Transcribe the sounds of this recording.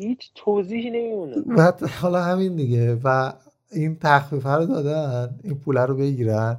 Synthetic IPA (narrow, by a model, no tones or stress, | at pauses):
hiːt͡ʃʰt̪ʰoziːhinemimunevæt̪hɒːlɒːɦæmind̪iɟevæ | iːnt̪ʰæxfiːfæɾod̪ɒːd̪æniːnpʰuːlæɾobe̞ɟiːɾæn